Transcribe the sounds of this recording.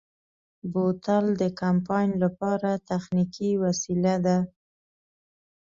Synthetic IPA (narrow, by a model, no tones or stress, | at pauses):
bot̪ald̪əkampɑjnlapɑɾat̪axnikiwasilad̪a